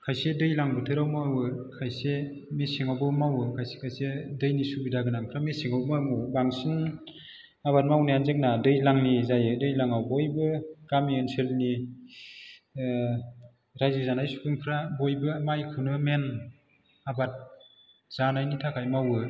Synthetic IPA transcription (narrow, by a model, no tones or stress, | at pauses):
kʰajsedɯjlaŋbɯtʰɯɾawmawɯkʰajsemesiŋawbɯmawɯkʰajse̥kʰajsedɯjnisubidaɡɯnaŋpʰɾamesiŋawmamɯbaŋsin | abat̚mawnianzek̚nadɯjlaŋnizajɯdɯjlaŋawbɔjbɯkamienselni | ɾajzizanajsu̥pʰɯŋpʰɾabɔjbɯmajkʰɯwnɯmen | abat̚ | z̥anajnitʰakʰajmawɯ